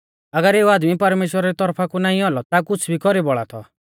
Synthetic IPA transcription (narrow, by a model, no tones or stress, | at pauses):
ɐɡəɾeːuaːd̪mipɐɾmeːʃwəɾaɾit̪ɔɾpʰakunaːĩɔlɔt̪akʊt͡sʰbʱikɔɾibɔɭa̰t̪ʰɔ̰